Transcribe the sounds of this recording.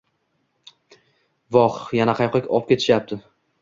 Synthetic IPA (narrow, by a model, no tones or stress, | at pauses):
vɒχjanaqʰɑjqʰɒkʲɒp̚kʲe̞t̪ʰɪ̥ʃjap̚t̪ʰɪ